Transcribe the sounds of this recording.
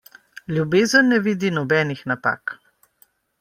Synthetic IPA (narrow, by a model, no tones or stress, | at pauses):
ljubeːzənːɛʋiːd̪inɔbɛːnixnapa̰ːk